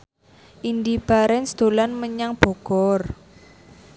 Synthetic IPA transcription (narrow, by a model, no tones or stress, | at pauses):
ʔind̪ib̥a̤ɾɛnsd̪̥olanməɲaŋb̥ɔ̤ɡ̥ɔr